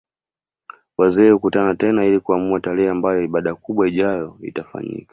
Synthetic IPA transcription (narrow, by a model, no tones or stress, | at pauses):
wazɛːukutanatɛnailikuamuatalɛambajɔiɓaɗakuɓwaiʄajɔḭtafa̰ɲḭkḁ